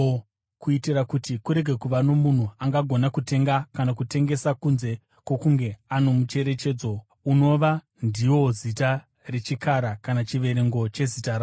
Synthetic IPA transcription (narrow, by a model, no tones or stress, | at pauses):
kuitirakutikuɾe̞ɡʱe̞kuʋano̞mun̤uaŋɡaɡʱo̞nakute̞ŋɡakanakute̞ŋɡe̞sakunze̞ | kwo̞kuŋɡe̞ano̞mut͡ʃe̞ɾe̞t͡ʃe̞ːd͡zo | uno̞ʋa | ndiwo̞zita | re̞t͡ʃikaɾakanat͡ʃiʋe̞ɾe̞ŋɡo̞t͡ʃe̞zitara